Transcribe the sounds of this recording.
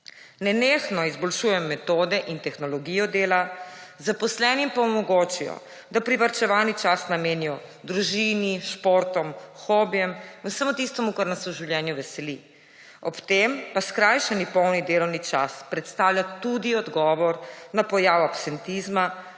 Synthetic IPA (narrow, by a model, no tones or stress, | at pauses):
nɛneːxnɔizbɔlʃuːjɛmːɛt̪oːd̪ɛʔint̪ɛxnɔlɔɡijɔd̪eːlazapɔslɛnimpaɔmɔɡot͡ʃijɔ̰ | d̪apɾiʋaɾt͡ʃɛʋaːnit͡ʃasnameːnijɔ | d̪ɾuʒiniʃpoɾt̪ɔmxɔbjɛmusəmɔt̪ist̪ɔmukaɾnasɛuʒiwljɛnjuʋɛsɛli | ɔpt̪empaskɾajʃɛnipɔwnid̪eːlɔwnit͡ʃa̰spɾɛt̪st̪aːwlʲjat̪ud̪iɔd̪ɡɔːʋɔɾnapɔjaːwapsɛnt̪izma